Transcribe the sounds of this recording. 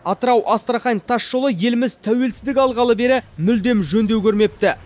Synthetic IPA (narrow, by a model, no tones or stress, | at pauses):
ɑt̪əɾɑwʔɑst̪əɾɑχɑjnt̪ʰɑʃʒolˠəje̞lɪmɪzt̪ʰæwe̞lsɪzd̪ɪkɑlˠʁɑlˠəbe̞ɾɪmʏld̪e̞mʒɵnd̪ewkʲʰɵɾme̞p̚t̪ɪ